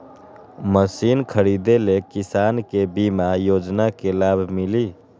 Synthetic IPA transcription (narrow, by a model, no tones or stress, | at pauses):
məsinkʰəɾid̪elekisankebimajod͡ʒnakelabʱmili